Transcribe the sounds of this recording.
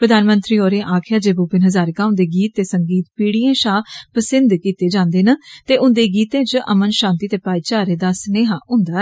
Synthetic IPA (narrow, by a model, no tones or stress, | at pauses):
pɾəd̪aːnmə̃nt̪ɾiːoːɾeʔaːkʰɪjaːd͡ʒeːbuːpɪnɦəzaːɾkaːʊ̃nd̪eːɡiːt̪ːeːsəŋɡiːt̪piːɽiẽːʃaːpəsɪnd̪kiːt̪eːd͡ʒãːnd̪eːnət̪eːʔʊnd̪eːɡiːt̪ẽːt͡ʃəʔə̰mənʃãːnt̪iːt̪eːpaːiːt͡ʃaːɾeːd̪aːsneːɦaːɦʊ̃nd̪aːɛː